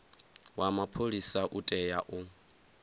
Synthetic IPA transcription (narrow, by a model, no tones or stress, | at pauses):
wamapʰolisaʔutʼɛjaʔu